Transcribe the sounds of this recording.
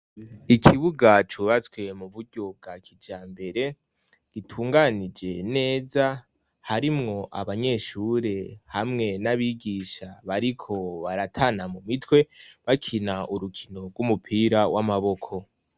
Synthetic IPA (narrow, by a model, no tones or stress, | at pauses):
ikʰiβuɡat͡ʃuβat͡swe̞muβuɾɟo̞b̚ɡakʰid͡ʒaːmbe̞ɾe̞ | ɡ̥itʰuːŋɡanid͡ʒe̞ne̞ːza | haɾimŋo̞ʔaβaɲe̞ʃuɾe̞hamŋe̞naβiːɡiʃaβaɾikʰo̞βaɾatʰaːnamumitwe̞βakʰinaʔuɾukʰino̞ɡɡwumupʰiːɾawʔamaβo̞kʰo̞